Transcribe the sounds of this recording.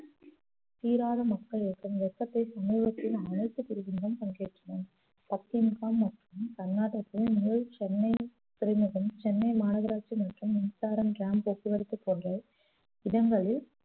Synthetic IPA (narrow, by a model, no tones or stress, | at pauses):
t̪iːɾaːðɐmɐkːɐɭɪkːɯmʋɛkːɐt̪ːɐɪsɐmuːʋɐk̪ːɪlɐnɐlt̪ːɯpɪɾɯʋɪŋd͡ʒɐmkɐŋɡeːʈrɐnɐn | pɐkːɪnkaːmːɐʈrɯmkɐnːaːʈːɐpːɯmuːɻt͡ʃɛnːɐɪ | t̪ɪɾɐɪmɐɣɐmt͡ʃɛnːɐɪmaːnɐɣɐɾaːt͡ʃːimɐʈrɯmːɪnsaːɾɐmɡaːmbokːiʋɐɾɯt̪ːɯpːoːndrɐ | ɪðɐŋɡɐɭɪl